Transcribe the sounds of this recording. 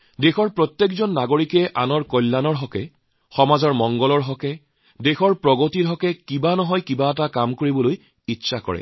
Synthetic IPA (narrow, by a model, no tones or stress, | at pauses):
dexɔɹpɹɔt̪jekzɔnːaɡoɹikɛʔanɔɹkɔjlːanɔɹɦɔkɛ | xɔmazɔɹmɔŋɡɔlɔɹɦɔkɛ | dexɔɹpɹɔɡotiɹɦɔkɛkibanɔɦɔjkibaɛtakamkoɹibɔloj | itːsʰakɔ̰ɹɛ̰